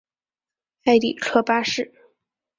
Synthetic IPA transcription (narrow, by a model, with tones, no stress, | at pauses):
a˥˩ɪt̪ḭ˨˩ʈ͡ʂʰɤ˥pa˥ʂɻ̩˥˩